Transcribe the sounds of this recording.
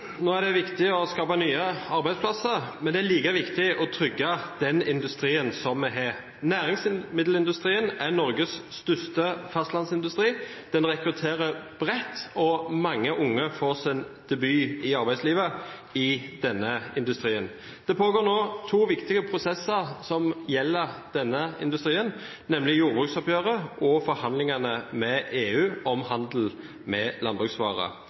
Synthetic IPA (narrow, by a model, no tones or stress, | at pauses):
noːæɖ̪ɛʋɪkt̪ɪɔskɑːpɑnyːəɑɾbæɪd̪spʰlɑsəɾmɛnd̪ɛæɾliːkəʋɪkt̪ɪɔt̪ʰʁʏɡːɑd̪̥ɛnɪnd̪ʉst̪ɾiːənsɔmːɛɦeː | næːʁɪŋsmɪd̪l̩ɪnd̪ʉst̪ʁiːənænɔɾɡəsːt̪ʏst̪əfɑst̪lɑnsɪnd̪ʉst̪ʁiːd̪̥ɛnʁɛkɾʉt̪ʰeːɾəb̥ɾɛt̪ːɔmɑŋːəʔʊŋːəfoːʁsɪnd̪̥ɛbyːɪɑɾbæɪsliːʋə | ɪd̪̥ɛnːəɪnd̪ʉst̪ʁiːən | d̪̥ɛpʰoːɡoːʁnoːt̪ʰuːʋɪkt̪ɪɡəpʰʁʊsɛsːəʁsɔmjɛlːəʁd̪̥ɛnːəɪ̰nd̪ʉst̪ʁiːən | nɛmlɪjuːʁbʁʉksɔpjøːʁəʔɔfɔɾhɑnd̪lɪŋɑnəmɛʔeːʉːɔmhɑnd̪l̩ | mɛlɑnbʁʉksʋɑ̰ːʁə̰